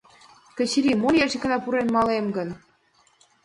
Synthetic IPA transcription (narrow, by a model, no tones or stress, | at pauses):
kə̆t͡ɕɾimoljæʒikə̆nɑpuɾenmɑlemɡən